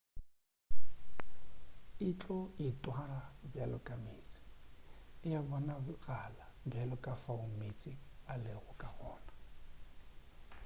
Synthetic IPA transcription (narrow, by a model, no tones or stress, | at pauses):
ɪt͡ɬʼɔɪtʼwarabjalɔkʼameːt͡sʼɪ̥ | ɪjabɔnaɣalabɛlɔkʼafaʊmet͡sʼɪalɪɣʊkʼaχɔːna